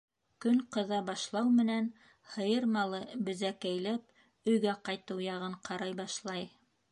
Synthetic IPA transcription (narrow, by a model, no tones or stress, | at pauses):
kɵŋqɤ̆ðɑbɑʃlˠɑwmɘ̆næn | hɤ̆jɤɾmɑlˠɤbɘ̆zækæjlæp̚ | ɵ̆jɡæqɑjt̪ɤwjɑʁɤɴqʰɑɾɑjbɑʃlˠɑj